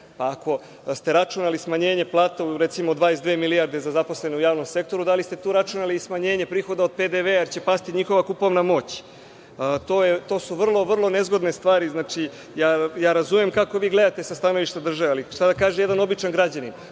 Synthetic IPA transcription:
paːko̞ | st̪e̞ɾat͡ʃunalismaɲe̞ːɲe̞plˠaːt̪auɾet̪simod̪ʋaːezd̪ʋeːmilijaɾd̪e̞zazapo̞sle̞neujaːʋno̞mse̞k̚t̪o̞ɾud̪alist̪e̞t̪uːɾat͡ʃunalismaɲe̞ːɲe̞pɾiːxo̞d̪ao̞d̪̥̚ped̪eʋeːjeɾt͡ɕe̞past̪iɲixo̞ʋakupomnamo̞ːt͡ɕː | t̪oːjet̪o̞ːsuʋr̩lˠo̞ʋr̩lˠo̞ne̞zɡo̞d̪ne̞st̪ʋaːɾiznaːt͡ʃi | jaːjaːɾazumjemkako̞ʋiːɡle̞d̪at̪e̞sast̪ano̞ʋiʃt̪ad̪r̩ʒaʋealiʃt̪ad̪akaːʒemjed̪ano̞bit͡ʃanɡɾad͡ʑanin

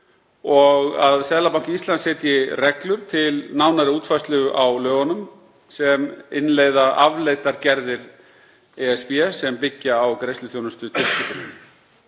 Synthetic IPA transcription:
ɔɣaðsɛðlapawŋ̥cɪist̪ansɛːt̪jɪrɛklʏɾ̥t̪ʰɪlnawnaɾɪuːt̪fajst̪lʏɣʏʔawlœːɣɔnʏm | sɛmɪnleːjðaʔavleːjt̪aɾcɛɾðɪɾ | ɛɛspiɛsɛmpɪcːaːwkɾejst̪ʏθjoːwnʏst̪ʏt̪ʰɪlsik̪ʏn

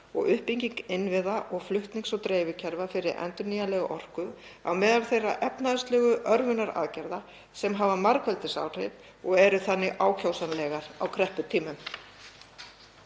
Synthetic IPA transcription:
ɔɣʏhpiɲciŋkɪnvɪðaʔɔɣflʏht̪niŋksɔt̪ɾeːjvʏcʰɛɾvafɪɾɪɾɛ̰nt̪ʏnijalɛɣʔɔr̥kʏ | a̰wmɛːðalθejrːa̰ʔɛpnaðʏst̪lɛɣʏʔœɾvʏnaɾa̰ðcɛɾða | sɛmɦavamaɾkʰvɛlt̪ɪsa̰ːwr̥ḛjp̪ | ɔɣɛɾʏθanːɪʔaːwcʰawsanlɛːɣaɾ̥awkʰɾɛhpʏt̪ʰiːmʏm

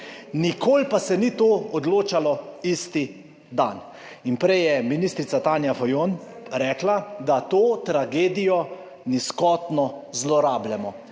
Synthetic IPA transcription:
nikʰoːlpasɛnit̪oːɔd̪loːt͡ʃalɔist̪i | d̪an | inpɾɛjjɛminist̪ɾit̪sat̪aːnjafɔjon | ɾɛːklad̪at̪oːt̪ɾaɡeːd̪ijɔ | niskɔt̪nɔzlɔɾaːblɛmɔ

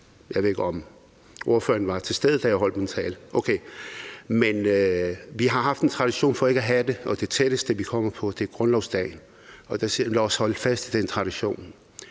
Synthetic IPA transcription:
jɑe̝ðˠeɡ̥ɒm | o̝ɐfø̰ɐn̩ʋɑ̈t͡sʰe̝sd̥eð̞ˠd̥æjaɒ̽l̰d̥ment͡sʰɛ̰ːlʔokʰeː | men | ʋiɦɑ̈ɦɑ̈fd̥ent͡sʰʁɑ̈ɾ̥iɕo̝̰ːnfɒ̽e̝ɡ̥æɦæd̥e̝ʔɒ̽d̥e̝t͡sʰed̥əsd̥eʋikʰɒ̽m̰ɐpʰɒ̽d̥e̝ɡ̥ʁɔnlɒʊsd̥ɛ̰ɪn | ɒ̽d̥æslɒɒshɒ̽l̰d̥fæsd̥ʰid̥ent͡sʰʁɑ̈ɾ̥iɕo̝̰ːn

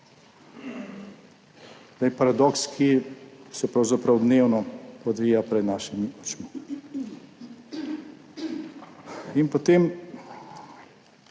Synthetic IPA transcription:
t̪ɛpaɾad̪ɔkskʰisɛpɾawzapɾawd̪neːwnɔɔd̪ʋiːjapɾɛd̪naːʃimiɔt͡ʃmi | inpot̪em

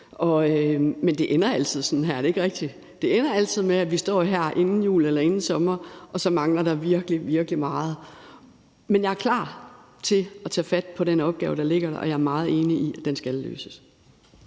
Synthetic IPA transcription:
ɒ̽ømend̥e̝ʔenɐæl̰t͡sʰið̞̰ˠsɒ̽n̩ɦæɐ̰d̥e̝e̝ɡ̥ʁɛɡ̥̚d̥i | d̥e̝enɐæl̰t͡sʰið̞̰ˠmeæʋisd̥ɒ̰ːɦæɐ̰ʔe̝nn̩jṵːlelɐe̝nn̩sɒ̽mɐʔɒ̽sɒ̽mɑ̈ŋlɐɾ̥ɑ̈ʋiɐɡ̥əliʋiɐɡ̥əlimɑ̈ːð̞̩ˠ | menjɑ̈æɐkʰlɑ̰̈ː | t͡sʰe̝ɒt͡sʰɛ̰ːfæd̥̚pʰɒ̽ɾ̥enɒ̽b̥ɡ̥ɛːʊd̥ɑ̈le̝ɡ̥ɐɾɑʔɒ̽jɑ̈ɐmɑ̈ːð̞̩ˠe̝ːniʔiʔæd̥ensɡ̥ælːø̰ːsə̥s

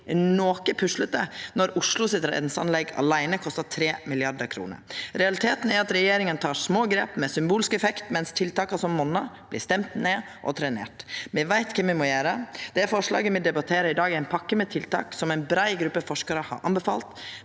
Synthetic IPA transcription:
noːkəpʰʉʂlət̪̚d̪ənɔɾʊʂlʊsɪt̪ɾɑɛ̰t̪nsɑ̰nlɛɡɑ̰læɪnəkʰɔst̪ɑt̪ʰɾeːmɪlɪɑɖəɾkʰɾṵːnə̰ɾɾɛɑlɪt̪ʰeːt̪n̩æɾɑt̪ɾɛjeːɾɪŋənt̪ʰɑːʂmoːɡɾeːpmɛsʏmbuːlɪskɛfɛkt̪mɛnst̪ʰɪlt̪ɑːkɑsɔmːɔnːɑb̥lɪst̪ɛmt̪neː | ʔɔ̰t̪ʰɾɛnḛːʈmɛʋæɪt̪kʰɛmːɪmɔjeːɾəd̪̥ɛæɾfɔʂɭɑ̰ːɡəmɛd̪ɛbɑt̪ʰeːɾəɪd̪ɑːɡæɪnpʰɑkːəmɛt̪ʰɪlt̪ɑ̰ːksɔmæɪnbɾæɪɡɾʉpːəfɔʂkɑɾəhɑ̰ɾʔɑ̰mbəfɑ̰ːlt̪

